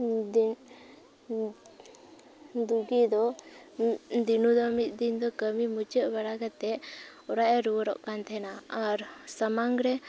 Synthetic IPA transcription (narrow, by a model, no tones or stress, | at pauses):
d̪uɡid̪ɔ | d̪inud̪ɔmit̪̚ˀd̪ind̪ɔkəmimut͡ʃəʔbaɽaɡat̪ɛ | ɔɾaʔɛɾuwɾɔ̰ʔkant̪ʰɛnaaɾsəmaŋɡɾɛ